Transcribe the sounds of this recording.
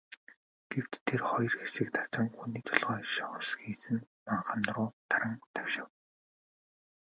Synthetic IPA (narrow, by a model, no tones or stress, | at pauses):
ɡ̥ewt̪ʰːerχɔjɞ̆rxesɘ̆k̚t̪ʰḁt͡sə̆ŋxuniːt̪ʰɔɮʁɔːʃɔ̆sxiːsɘ̆n | maɴχə̆nrʊːt̪aɾə̆ŋt̪ʰæwʃɪ̆w